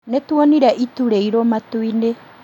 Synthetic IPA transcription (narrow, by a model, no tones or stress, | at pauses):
nɛtuɔniɾaʔituɾeiɾɔmatuine